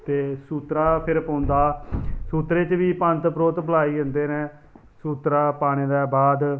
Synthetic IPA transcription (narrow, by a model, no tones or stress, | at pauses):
t̪eːsuːt̪ɾaːpʰɪɾpə̃ːʊnd̪aːsuːt̪ɾeːt͡ʃʋiːpə̃nt̪pɾoːt̪pəlaːiːdənd̪eːnɛ̃ː | suːt̪ɾaːpaːɽ̃eːd̪ɛːbaːd̪